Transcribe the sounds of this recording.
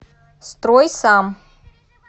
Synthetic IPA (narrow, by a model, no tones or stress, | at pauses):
st̪ɾojsam